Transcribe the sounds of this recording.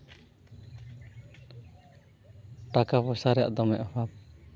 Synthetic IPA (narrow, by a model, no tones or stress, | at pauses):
ʈakapɔsaɾɛja̰ʔd̪ɔmɛ̰ʔwap̚